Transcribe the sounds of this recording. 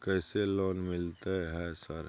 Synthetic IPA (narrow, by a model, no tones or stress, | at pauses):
kɛːselɔːnmɪlt̪eɦɛsəɾ